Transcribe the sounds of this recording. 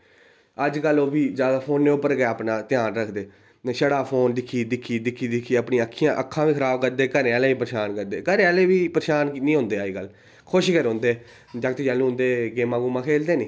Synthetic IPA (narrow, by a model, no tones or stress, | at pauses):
əd͡ʒkəlːoːbiːd͡ʒaːd̪aːpʰoːnːeːʊpːəɾɡeeəpnaːt̪ɪjaːnɾəkʰd̪eː | ʃəɽaːpʰoːnd̪ɪkʰːiːd̪ɪkʰːiːd̪ɪkʰːiːd̪ɪkʰːiːəpɳĩəkʰːijãːʔəkʰːãːʋĩːkʰəɾaːbkəɾd̪eːkəɾeːaːleːʋiːpəɾʃaːnkəɾd̪eːkəɾẽːaːleːʋiːpəɾʃaːnnĩːɦõːnd̪eːaːiːkəlː | kʰʊʃikəɾɦõːnd̪eː | d͡ʒəkt̪ːd͡ʒaːlũːɦnd̪eːɡeːmãːɡuːmãːkʰeːld̪eːnĩː